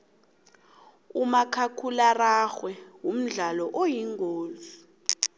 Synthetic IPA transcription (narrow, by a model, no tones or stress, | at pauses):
umakʰakʰularaxwɛwum̩ɮalɔʔojiŋɡʱoːzi